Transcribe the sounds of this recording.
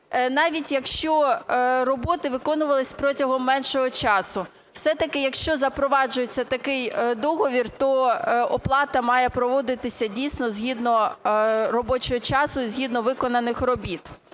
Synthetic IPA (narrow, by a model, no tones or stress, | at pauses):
nɑʋʲitʲjɐkʃt͡ʃɔrɔbɔt̪ɪʋɪkɔnʊʋɐlˠɪsʲpɾɔtʲɐɦɔmːɛnʃɔɦɔt͡ʃɑsʊ | w̥sɛt̪ɐkɪjɐkʃt͡ʃɔzɐpɾɔʋɑd͡ʒʊjet͡sʲːɐt̪ɐkɪjd̪ɔɦɔʋʲirt̪ɔɔplˠɑt̪ɐmɑjɛpɾɔʋɔd̪ɪt̪ɪsʲɐdʲijsʲnɔzʲɦʲid̪nɔ | rɔbɔt͡ʃɔɦɔt͡ʃɑsʊizʲɦʲid̪nɔʋɪkɔnɐnɪxrɔbʲit̪